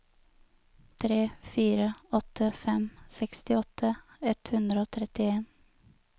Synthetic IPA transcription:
t̪ʰɾeːfiːɾəɔt̪ʰəfɛmsɛkst̪ɪɔt̪ʰə | ɛt̪hʉnd̪ɾəoːt̪ʰɾɛt̪ɪeːn

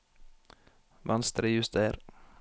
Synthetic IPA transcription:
ʋʔɑnst̪ɾəjʉst̪eɾ

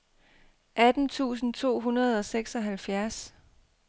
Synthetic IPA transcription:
ʔæd̥n̩t͡sʰṵːs̬n̩t͡sʰo̝̰ːɦunɐð̞̩ˠɒ̽seɡ̥sɒ̽ɦælfjæɐs

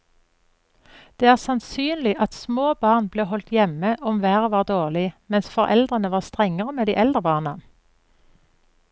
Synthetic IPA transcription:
d̪̥eːæːʁsɑnsyːnlɪʔɑt̪smoːbɑːʁnbleːɦɔlt̪jɛməʔɔmʋæːʁəʋɑːʁd̪oːʁlɪmɛnsfɔʁʔɛ̰ld̪ʁənəʋɑːʁst̪ʁɛŋəʁəmeːd̪ḭːʔɛld̪ʁəbɑːʁnɑn

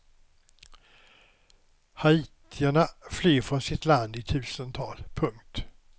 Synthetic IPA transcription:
haiːt̪ʰɪæɳafliːɾfɾɔnsɪt̪land̪ɪt̪ʰʉ̟ːsənt̪ʰɑ̰ːlpʰɵŋkt̪

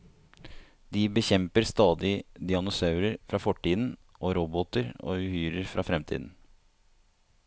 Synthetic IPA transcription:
d̪iːbəçɛmpəɾst̪ɑːd̪ɪd̪ɪɑnʊsɑʉɾəɾfɾɑːfɔʈːiːd̪n̩ | ʔoːɾɔbɔt̪əɾo̰ːʉhyːɾəɾfɾɑːfɾɛmt̪ʰḭːd̪n̩

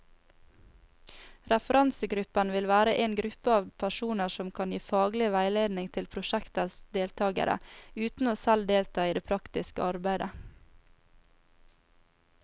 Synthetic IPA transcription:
ɾɛfəɾɑnsəɡɾʉpənʋɪlʋæːɾəʔeːnɡɾʉpəɑːʋpʰæʃuːnəsɔmkʰɑːnjiːfɑːɡlɪʋæɪleːd̪nɪŋt̪ʰɪlpʰɾʊʃækt̪əsd̪eːlt̪ʰɑːɡə̰ɾʔə̰ʉːt̪n̩oːsæld̪eːlt̪ʰɑːiːd̪eːpʰɾɑkt̪ɪskə̰ɑɾbæɪd̪ə

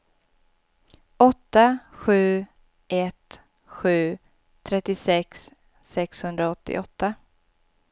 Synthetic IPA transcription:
ʔɔt̪ːaɧʉ̟ː | ʔɛt̪ | ɧʉ̟ː | t̪ʰɾɛt̪ːɪsɛksː | ɛkshɵnd̪ɾaɔt̪ʰːɪ̰ʔɔt̪ːa

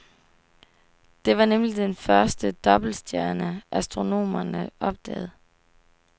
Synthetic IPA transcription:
d̥e̝ʋɑ̈nemlid̥enfɶɐsd̥əd̥ɒ̽b̥l̩sd̥jæɐnəʔæsd̥ʁo̝no̝̰ːmɐnəʔɒ̽b̥̚d̥ɛ̰ːð̩ˠ

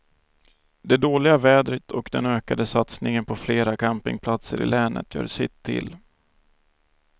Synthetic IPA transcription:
d̪ɛd̪oːlɪɡavɛːd̪ɾət̪ʰɔkd̪ɛnøːkad̪əsat̪snɪŋənpʰɔfleːɾakʰampɪ̰ŋpʰlat̪sə̰ɾɪ̰lɛːnʔə̰t̪jœ̰ːɖsɪt̪ʰːɪ̰l

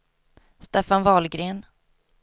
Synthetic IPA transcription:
st̪eːfanvɑːlɡɾeːn

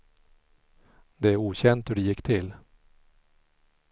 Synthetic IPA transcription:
d̪ɛæɾuːɕɛnt̪hɵɖɛjɪkːt̪ʰɪl

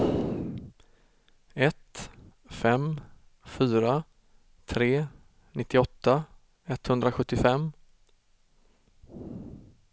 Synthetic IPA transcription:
ɛt̪ | fɛmfyːɾa | t̪ʰɾeː | nɪt̪ːɪɔt̪ːa | ɛt̪hɵnd̪ɾaɧɵt̪ːɪfɛmː

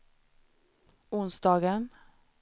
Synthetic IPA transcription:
ʊnsd̪ɑːɡən

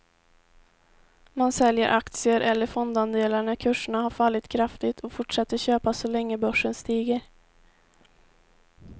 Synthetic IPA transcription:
mansɛljəɾʔakt̪sɪəɾʔɛlːəɾfɔnd̪and̪eːlaɳakʰɵʂəɳaɦaɾfalːɪt̪kʰɾaft̪ɪt̪ʰɔfʊʈʂɛt̪ːəɕøːpasɔlɛŋːəbœʂːənst̪iːɡəɾ

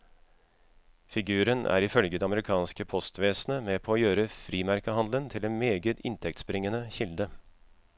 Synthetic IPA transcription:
fɪɡʉːɾənʔæ̰ːɾɪfœlɡəd̪ɛɑməɾɪkʰɑːnskəpʰɔst̪ʋeːsnəmeːpʰɔːjøːɾəfɾiːmæɾkəɦɑnd̪lənt̪ʰɪlɛnmeːɡət̪ɪnt̪ʰɛk̚t̪spɾɪŋənəçɪld̪ə

